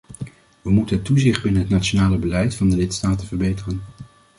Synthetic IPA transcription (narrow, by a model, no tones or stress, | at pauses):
ʋəmutənɦətːuzɪχd̚bɪnənɦətnaːt͡ʃonaːləbəlɛjtfɑndəlɪtstaːtənvəɹbejtərən